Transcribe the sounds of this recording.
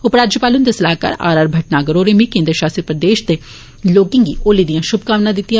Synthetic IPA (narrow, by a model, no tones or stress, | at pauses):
ʊpɾaːd͡ʒjəpaːlənd̪esɐlaːkə̰ɾa̰ːɾaːɾbʱɐʈnaːɡəɾoːɾemĩkẽːnd̪ɾəʃaːst̪ɾəpɾəd̪eːʃd̪e | loːkɪŋɡiʔoːlid̪ijãʃʊb̚ʱkaːʋnãd̪ɪt̪ːija